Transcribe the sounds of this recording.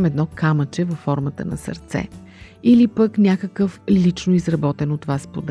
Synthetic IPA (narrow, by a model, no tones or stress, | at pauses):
mɛd̪nɔkamət͡ʃɛvəfːɔɾmət̪ə̰nɐ̰sə̰ɾt̪sɛ̰ | ilipəknʲakəkəflit͡ʃnoizɾɐbɔt̪ɛnot̪ːvaspod̪